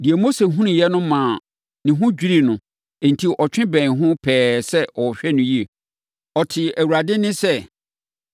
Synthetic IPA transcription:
di˨ɛ˨mo˦se˨ɦũ˦nʊ̃˨jɛ˦nʊ̃˦mãː˨ | nɪ̃˨ɦʊ̃˦d͡ʑᶣi˦ɾi˦nʊ̃˨ | ɛ̃˨ntʰi˨ʔɔ˨t͡ɕᶣɪ̃˦bɛ̃˨ɦʊ̃˦pʰɛː˨sɛ˦ʔɔ˨ɕᶣɛ˦nʊ̃˦ji˦e˨ | ɔ˨tʰɪ˨æ˨wu˨ɾa˨dɪ˦nɪ̃˦sɛ˦

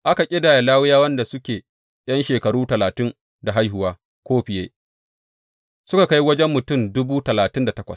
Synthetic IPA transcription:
ʔa˦ka˨kʲʼɪ˦daː˨ja˨laː˦wɪ˦jaː˦wɐ˦nda˨sʊ˦kʲeː˨ | j̰ɐ˦nʃeː˨kɐ˨ɽuː˦tɐ˨laː˨tɪ˦ŋ | da˨ɦa˦jɦʊ˨waː˦ | kʷoː˦ɸɪ˨jeː˦ | sʊ˦ka˨ka˦ji˦wɐ˦d͡ʒɛ˦mːʊ˨tʊ˦˨mdʊ˦buː˦tɐ˨laː˨tɪ˦nda˨tɐ˦kʷɐ̰˨s

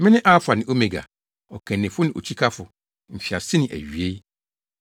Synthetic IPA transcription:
mɪ̃˦nɪ̃˦ʔa˦fʊ˨a˨nɪ̃˨ʔo˦me˨ɡa̰˨ | ɔ˨kʰɛ̃˨nːɪ̃˨fʊ˦nɪ̃˨ʔo̰˨t͡ɕʰi˦kʰa˦fʊ˨ | m̩˨ɕᶣi˨a˨sɪ˦nɪ̃˨ʔæ̰˨ɥi˨e˦

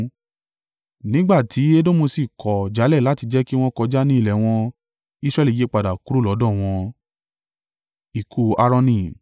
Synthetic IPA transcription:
nĩ˦ɡ͡ba˦˨tʰi˨˦e˦dõ˦mo˧si˨kɔ˨d͡ʒa˨˦lɛ˦˨la˦ti˧d͡ʒɛ˦ki˦w̃ɔ̃˦kɔ˧d͡ʒa˦nĩ˦i˦˨lɛ˨w̃ɔ̃˧ | i˦sɾɛ˧li˨je˨˦k͡pa˨da˨ku˨˦ɾu˦˨lɔ˨˦dɔ̃˦˨w̃ɔ̃˧ | i˨kʰu˨a˧ɾɔ̃˧nĩ˧

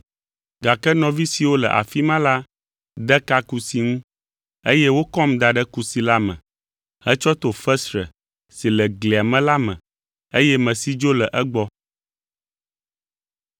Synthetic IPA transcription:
ɡa˨kɛ˦nɔ̃˨vi˦si˨wo˦lɛ̰˨ʔa̰˨fi˦mã˦la˦ | d̪ɛ˦ka˦ku˨si˨ŋũ˦ | e˦jɛ˦wo˦kɔ˦md̪a˨ɖɛ˦ku˨si˨la˦mɛ̰̃˨ | hɛ˦t͡ʃɔ˦t̪o˨fɛ˦sɾɛ̰˨ | si˨lɛ˨ɡli˨a˨mɛ̃˦la˦mɛ̰̃˨ | e˦jɛ˦mɛ̃˨si˦d͡ʒo˦lɛ˨ʔɛ˦ɡ͡bɔ˦

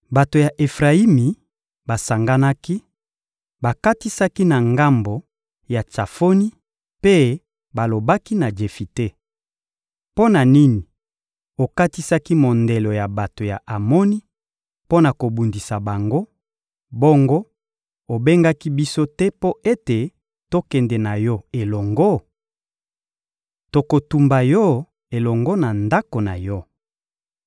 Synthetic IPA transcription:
ba˨to˨ja˨ʔe˨fʁa˨i˦mi˨ | ba˨sa˨ŋɡa˦na˦ki˦ | ba˨ka˦ti˦sa˦ki˦na˨ŋɡa˦mbo˨ | ja˨t͡ʃa˨fo˦ni˦ | pe˦ | ba˨lo˨ba˦ki˦na˨d͡ʒe˨fi˨te˦ | po˦na˨ni˦ni˨ | o˨ka˦ti˦sa˦ki˦mo˨nde˨lo˨ja˨ba˨to˨ja̰˨ʔa˨mo˦ni˦ | po˦na˨ko˨bu˨ndi˨sa˨ba˨ŋɡo˦ | bɔ˦ŋɡo˦ | o˨be˦ŋɡa˦ki˦bi˦so˦tɛ˦po˦e˦te˨ | to˦kɛ˨ndɛ˨na˨jɔ˦e˨lɔ˨ŋɡo˦ | to˨ko˨tu˨mba˨jɔ˦ | e˨lɔ˨ŋɡɔ˦na˨nda˦ko˨na˨jɔ˦

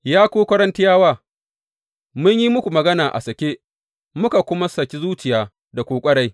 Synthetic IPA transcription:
jaː˦kʷoː˦kʷɐ˦ɾɐ˦ntɪ˦jaː˦waː˦˨ | mʊ˦ɲji˦mʊ˦kʷu˨mɐ˨ɡɐ˦naː˨ʔa̰˨sɐ˨kʲeː˦ | mʊ˦ka˨kʷʊ˦ma˦sɐ˨kʲi˦zuː˦t͡ʃɪ˨jaː˨ | da˨kʷoː˨kʷʼɐ˦ɽa˦j

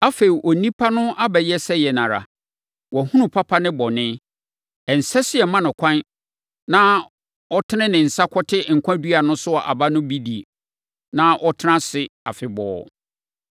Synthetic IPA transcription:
a˦fe˨i˨ʔɔ˨nĩ˦pʰa˦nʊ̃˦ʔa˦bɛ˨jɛ˦sɛ˦jɛ˨nã˨ɾa̰˨ | wɔ˨hũ˦nũ˨pʰa˦pʰa˦nɪ̃˦bɔ˨nɪ̃˦ | ɛ˨n̩˨sɛ˦sɪ˦ɛ˨mã˦nʊ̃˨kʷʰã˦n | nã˦ | ɔ˦tʰɪ˦nɪ̃˦nɪ̃˨n̩˨sa˦kʰɔ˦tʰɪ˦˨ŋ̩˨kʷʰã˦dɥa˨nʊ̃˦sʊ˦ɔ˨ʔa̰˨ba˦nʊ̃˦bi˦di˨ | nã˦ʔɔ˦tʰɪ˦nã˦sɪ˨a̰˨fɪ˨bɔ̰ː˨˦

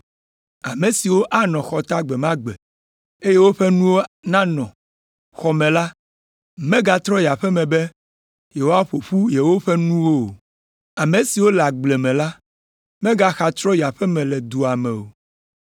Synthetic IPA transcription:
a˨mẽ˨si˨wo˦ʔa˦nɔ̃˨xɔ˨t̪a˦ɡ͡bɛ˨mã˦ɡ͡bɛ̰˨ | e˦je˦wo˦ɸɛ˦nũ˦wo˦nã˦nɔ̃˨ | xɔ˨mɛ̃˨la˦ | mɛ̃˦ɡa˦t̪ɾɔ̃˦ja˨ɸɛ˦mɛ̃˨bɛ˦ | je˨wo˦a˦ɸo˨ɸu˦je˨wo˦ɸɛ˦nũ˦wo˦o˨ | a˨mẽ˨si˨wo˦la˨ɡ͡blɛ˨mɛ̃˨la˦ | mɛ̃˦ɡa˦xa˨t̪ɾɔ̃˦i˨a˨ɸɛ˦mɛ̃˨lɛ˨d̪u˨a˨mɛ̰̃˨o̰˨

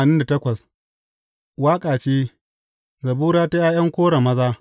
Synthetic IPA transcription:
nɪ˦nda˨tɐ˦kʷɐ˨s | waː˦kʼaː˨t͡ʃeː˦ | zɐ˨buː˦ɽaː˦ta˦jaː˦jɐ˦ŋkʷoː˦ɽa˨mɐ˦zaː˦

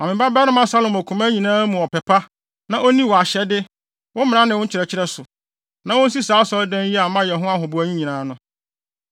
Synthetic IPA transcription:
a˨ɪ̃˨ba˦bɛ˦nɪ̃˦mã˦sa˦lʊ̃˨mæ˨kʰũ˨mã˦ɲĩ˨nãː˦mũ˨ɔ˨pʰɛ˨pʰa˦ | nã˦ʔo˦nĩ˦wɔ˨a˨ɕɛ˨˦dɪ˦ | wʊ̃˦mɪ̃˨nã˦nɪ̃˨wʊ̃˦n̩˦t͡ɕʰɪ˨ɾɛ˨t͡ɕʰɪ˦ɾɛ˦sʊ˨ | nã˦wʊ̃˦n˦si˦saː˨˦sɔ˦ldæ̃˦n˦ji˦a˨mã˦jɛ˨ɦʊ̃˦a˦ɦʊ̃˨bʊ˨æ˨ɲĩ˦ɲĩ˨nãː˨˦nʊ̃˦

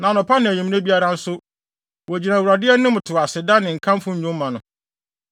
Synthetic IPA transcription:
nã˨nʊ̃˨pʰa˦nɪ̃˨æ˨ɲũ˨m̃˦næ˦bi˦a˦ɾã˦n̩˦sʊ˦ | wɔ˨æ˨d͡ʑi˨nã˨wɾa˨dɪ˦ɛ˦nʊ̃˦mʊ˨tʰʊ˨a˨sɪ˨da˦nɪ̃˨ŋ̩˨kʰã˦m˦fʊ̃˦ɲ̩˦ɲũ˦m˦mã˨nʊ̃˨

